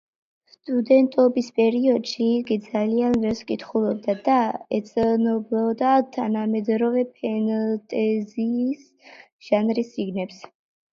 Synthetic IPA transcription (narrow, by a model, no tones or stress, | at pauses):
st̪ʼud̪ɛnt̪ʼɔbispʼɛɾiɔd̪̥ʃiːɡid̪zalianvɛɾskʼit̪ʰχulˠɔb̚d̪ad̪aɛt̪sʼnɔblˠɔd̪at̪ʰanamɛd̪ɾɔvɛpʰɛnt̪ʼɛziːs | ʒ̥anɾisiɡnɛps